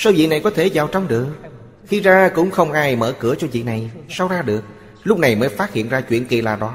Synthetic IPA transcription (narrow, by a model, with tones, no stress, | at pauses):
saː˧wvḭ˧˨na˨˩jkɔ˨˦t̪ʰe˧˩zaː˨˩wt͡ɕɔ˧wŋ͡mɗɨ˨˩ək̚ | xi˧zaː˧kʊ̰˧˥ŋ͡mxə˧wŋ͡mʔaː˧jmə̰ː˧˩kɨ˧˩ət͡ɕɔ˧vḭ˧˨na˨˩jsa˧wzaː˧ɗɨ˨˩ək̚ | lʊ˦˥k͡p̚na˨˩jməː˨˦jfaː˦˥t̚hḭ˧˨ənzaː˧t͡ɕwḭ˧˨ənki˨˩la̰ː˨˩ɗɔ˨˦